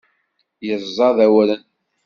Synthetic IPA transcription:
jəzˤːɑðæwɾən

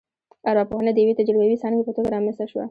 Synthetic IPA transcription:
aɾwɑpohanad̪əjwet̪ad͡ʒalɡawisɑnkepət̪oɡaɾɑmɪst̪aʃwa̰

